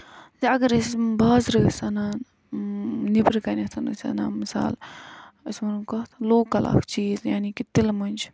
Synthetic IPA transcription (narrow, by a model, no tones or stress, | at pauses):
ziɐɡɐɾəsbaːzɾəːsɐnaːn | nibɾkɐnɐt̪ʰɐnɨ̰sʲɐ̰naːmisa̰ːləsʲmɐnkɐɦt̪ʰloːkɐlʔa̰ːkʰt͡ʃiːzjaːnikit̪ilmɐnʲd͡ʒ